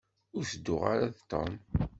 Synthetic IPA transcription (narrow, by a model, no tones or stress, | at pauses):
ʊɾθəd̪ːʊʁaɾaðt̪ːɑ̰n